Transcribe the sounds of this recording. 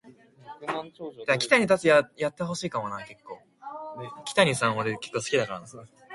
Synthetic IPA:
d̪akʲi̥t̪aɲ̟it̪at͡sɨjajat̪ːeɦo̞ɕiːkamonaːke̞kːo̞ː | kʲi̥t̪aɲ̟isãɰ̃oɾeke̞̥kːo̞ːsɨ̥kʲid̪akaɾanasne

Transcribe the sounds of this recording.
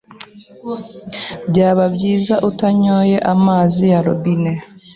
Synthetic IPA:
bɟaːβabɟiːzaʔutaɲoːje̞ʔamaːzijaɾo̰bine

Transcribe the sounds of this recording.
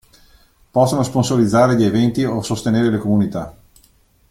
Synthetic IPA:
pɔsːonosponsolid̪zːaːɾeʎievɛnt̪iosost̪eneːɾelekomunit̪a

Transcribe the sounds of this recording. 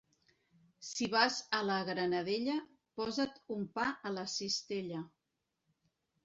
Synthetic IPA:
siβ̞azələɣɾənəðeʎə | pɔzət̪umpaʔələsist̪eʎə

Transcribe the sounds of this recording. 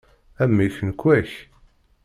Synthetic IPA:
æmːiçənkʷːwæç

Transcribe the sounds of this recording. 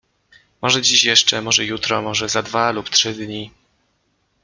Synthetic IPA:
mɔʐɛd͡ʑiɕjɛʂt͡ʂɛmɔʐɛjut̪ɾɔmɔʐɛzad̪valuptʂɘd̪ɲi

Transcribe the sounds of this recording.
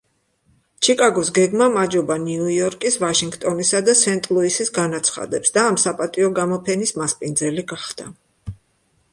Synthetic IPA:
t͡ʃʰikʼaɡɔsɡɛɡmamad͡ʒɔbaniujɔɾkʼisvaʃiŋɡt̪ʼɔnisad̪asɛnt̪ʼlˠuisisɡanat̪sʰχa̰d̪ɛpsd̪aːmsapʼat̪ʼiɔɡamɔpʰɛnismaspʼind̪zɛliɡaχd̪a

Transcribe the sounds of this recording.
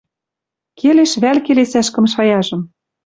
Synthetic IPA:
kʰeleʃβælkelesæʃkɤ̆mʃ̬ɑjɑʒɤ̆m

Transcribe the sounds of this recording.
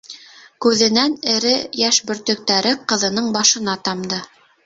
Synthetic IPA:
kʉðɘ̆nænɘ̆ɾɘjæʃbɵ̆ɾt̪ɵ̆k̚t̪æɾɘqɤ̆ðɤ̆nɤɴbɑʃɤ̆n̪ɑt̪ɑmd̪ɤ

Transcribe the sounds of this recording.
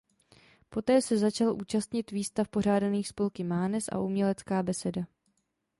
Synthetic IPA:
po̞t̪ɛːsɛzat͡ʃalʔuːt͡ʃast̪ɲɪt̪viːst̪afpo̞r̝aːdaniːxspo̞lkɪmaːnɛsʔa̰ʔumɲɛlɛt͡skaːbɛsɛda

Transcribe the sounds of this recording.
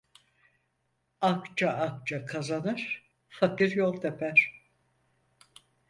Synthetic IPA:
akt͡ʃʰaak̚t͡ʃʰakʰazanɯɾ̥ | fakiɾjolˠt̪ʰepʰæɾ̥

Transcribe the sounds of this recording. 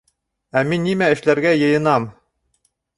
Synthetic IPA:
æminːimæɘ̆ʃlæɾɡæjɤ̆jɤ̆nɑm

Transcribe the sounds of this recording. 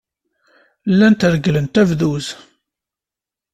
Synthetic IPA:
lːænt̪əɾəɡələnt̪ævðuz

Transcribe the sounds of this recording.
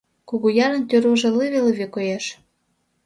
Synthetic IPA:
kuɣujɑɾə̆nt̪øɾuʒĕliβeliβekojeʃ

